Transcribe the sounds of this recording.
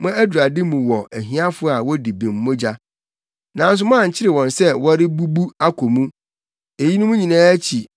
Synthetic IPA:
mã˦æ˦du˨a˨dɪ˦mũ˨wɔ˨æ˨ɦĩ˦a˦fʊ˦a˨wɔ˦di˨bĩ˨m̩ː˦ʊ̃˦d͡ʑa˦ | nã˨n̩˦s̬ʊ˦mã˦˨ɲ̩˨t͡ɕʰɪ˦ɾɪ˨wɔ̃˨nsɛ˦wɔ˦ɾɪ˦bu˦bu˦a˦kʰɔ˨mũ˦ | e˨ji˦nʊ̃˦mũ˦ɲĩ˨nãː˦æ˦t͡ɕʰi˨

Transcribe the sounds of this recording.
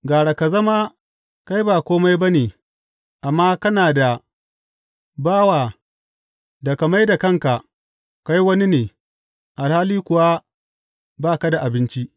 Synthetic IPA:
ɡaː˨ɽa˨ka˨zɐ˦ma˦ | ka˦jbaː˨kʷoː˦ma˦jba˦neː˨ | ʔa˨mːaː˦kɐ˦naː˨da˨ | baː˦wa˨ | da˨ka˨ma˦jda˨kɐ˦˨ŋka˨ | ka˦jwɐ˦ni˦neː˨ | ʔa˨lhaː˦liː˦kʷʊ˨wa˦ | baː˦˨ka˦da˨ʔa˨bɪ˦nt͡ʃi˦ʔ

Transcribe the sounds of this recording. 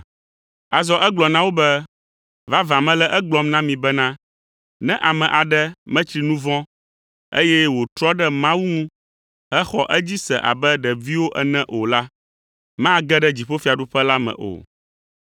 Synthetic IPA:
a˨zɔ˦ʔɛ˦ɡ͡blɔ˨nã˦wo˦bɛ˦ | va˦vã˨mɛ̃˦lɛ˦ʔɛ˦ɡ͡blɔ˦mnã˦mĩ˨bɛ˦nã˦ | nɛ̃˦ʔa˨mɛ̃˨ʔa˨ɖɛ˦mɛ̃˦t͡ʃɾi˨nũ˦vɔ̃˦ | ḛ˦jɛ˦wo˨t̪ɾɔ˦ɖɛ˦mã˦wu˦ŋũ˦ | ɦɛ˦xɔ˨ʔɛ˦d͡ʑi˦sɛ̰˨ʔa̰˨bɛ˦ɖɛ˨vi˦wo˦ʔɛ˨nɛ̃˦ʔo˨la˦ | mã˦ɡɛ˦ɖɛ˦d͡ʑi˨ɸo˦fi˦a˨ɖu˦ɸɛ˦la˦mɛ̰̃˨ʔo̰˨

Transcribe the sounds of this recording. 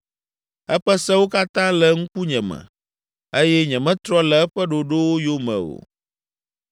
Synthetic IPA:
ɛ˦ɸɛ˦sɛ̃˦wo˦ka˦t̪ã˦lɛ˨ŋu˦ku˦ɲɛ̃˨mɛ̰̃˨ | e˦jɛ˦ɲɛ̃˨mɛ̃˦t̪ɾɔ˦lɛ˨ɛ˦ɸɛ˦ɖo˨ɖo˦wo˦jo˦mɛ̰̃˨o̰˨

